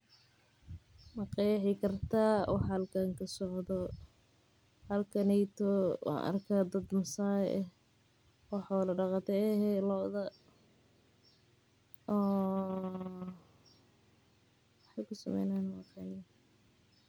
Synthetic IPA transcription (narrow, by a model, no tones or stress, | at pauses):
mɐqɑjħɪkʰɐrt̪ʰaːwɑ̰ħhɐlkʰaŋkʰɐsɔʕd̪ɔ | hɐlkʰɐnɛjt̪ʰɔwɑ̰ʔɐ̰rkʰaːd̪ɐd̪mɐsaːjʔɛh | wɑħɔlɐɖɑqɑt̪ʰɛɛɦɛlɔʔðɐ | ɔː | wɑħɑjkʰʊsɐ̰mɛ̰jnanmɐqɑːnɪj